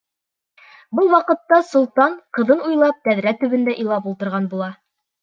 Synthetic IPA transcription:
bɤlˠwɑqɤ̆t̪ːɑsŭlˠt̪ɑɴqɤ̆ðɤnujlˠɑp̚t̪æðɾæt̪ɵ̆βɘ̆nd̪æʔijlˠɑpulˠt̪ɤ̆ɾʁɑnbulˠɑ

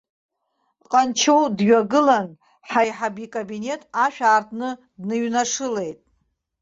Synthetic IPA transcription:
qʼant͡ʃʰo̞wdɥᶣaɡɨlan | ħajħabikʼabine̞tʼaʃᶣaːrtʰnɨ | dnɨɥnaʂɨle̞jtʼ

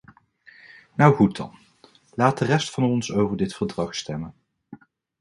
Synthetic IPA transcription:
nʌwχutɑ̰n | laːt̚dərɛstfɑnɔnsowvəɹdɪtfəɹdrɑχstɛmən

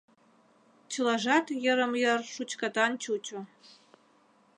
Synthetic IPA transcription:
t͡ɕʰɨlɑʒɑt̪jə̆ɾə̆mjərʂut͡ɕkɑt̪ɑnt͡ɕut͡ɕo

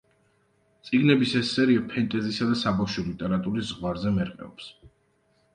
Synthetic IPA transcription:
t̪sʼiɡnɛbisɛsːɛɾiapʰɛnt̪ʼɛzisad̪asabaʃɔlit̪ʼɛɾat̪ʼuɾiszʁwaɾzɛmɛɾqʼɛ̰ɔ̰ps

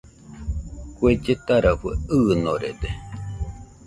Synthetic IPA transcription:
kʷed͡ʒet̪aɾaɸueɯnoɾed̪e

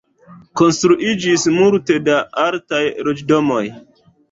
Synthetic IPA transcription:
konstɾuʔid͡ʒismulte̞daaɾtajɾod͡ʒdomoj

